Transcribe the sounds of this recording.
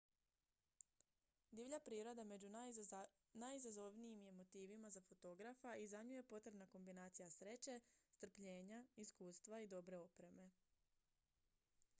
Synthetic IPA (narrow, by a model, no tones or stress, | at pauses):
d̪iʋʎapɾiːɾo̞d̪ame̞d͡ʒu | najizazo̞ʋniimje̞mo̞t̪iːʋimazafo̞t̪o̞ɡɾafaʔizaɲuje̞po̞t̪ɾe̞bnako̞mbinaːt̪sijasɾe̞t͡ɕe̞st̪r̩pʎe̞ːɲaiskuːst̪ʋaid̪o̞bɾe̞o̞pɾe̞me̞